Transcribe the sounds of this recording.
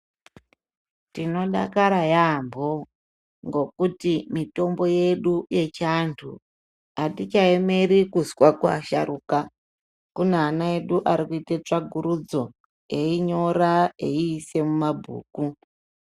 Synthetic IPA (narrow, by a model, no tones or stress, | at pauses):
tino̞ɗa̰kaɾajambʱo̞ | ŋɡo̞kutimito̞mbo̞je̞ɗuje̞t͡ʃantʰṵ | atit͡ʃaeme̞ɾikuzwakua̰ʃa̰ɾuːka | kuneanae̞ɗuʔaɾikuitet͡ʂaɡʱuɾud͡zo̞ | eiɲo̞raeiːse̞mumabʱṵːku